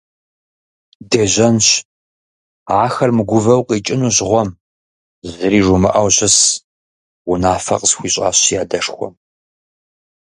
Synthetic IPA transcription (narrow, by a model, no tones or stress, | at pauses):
deːʑɐnɕ | aːxɐrmɨɡʷʊvɐwqiːt͡ʃʼɪnuːɕʁʷɔm | zɨɾiːʐumɨʔɐwɕɪs | wʊnaːfɐ̰qsxʷiːɕʼa̰ːɕjaːdɐʂxʷɔ̰m